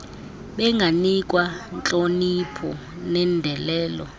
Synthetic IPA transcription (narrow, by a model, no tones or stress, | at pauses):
ɓɛŋɡʱanikʼwant͡ɬʼonipʰɔ | nɛndʱɛlɛːlɔ̰